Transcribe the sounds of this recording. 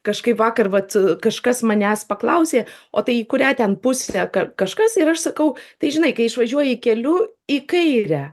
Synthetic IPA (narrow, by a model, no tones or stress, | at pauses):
kɐʃkɐɪpʋɑːkɐrʋɐt̪kɐʃkɐsmɐnʲæspɐklˠɐʊsʲeːoːt̪ɐɪikʊɾʲæːt̪ʲɛnpʊsʲæːkɐkɐʃkɐsɪɾɐʃsɐkɐʊt̪ɐɪʒʲɪnɐɪkɐɪɪʃʋɐʒʲuɔjɛɪːkʲɛlʲʊːikɐɪɾʲɛ